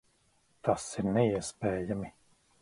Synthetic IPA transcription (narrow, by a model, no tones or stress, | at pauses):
t̪asiɾnɛiɛspɛːjami